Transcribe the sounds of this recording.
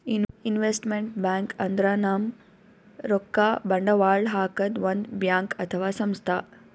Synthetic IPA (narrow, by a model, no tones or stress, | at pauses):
ininʋeːsʈmeɳʈbaːŋkɐnd̪ɾaːnaːm | ɾokːaːbɐɳɖɐʋaːɖɦaːkɐd̪ʋɐnd̪bjaːŋkɐt̪ʰɐʋaːsɐmst̪ʰaː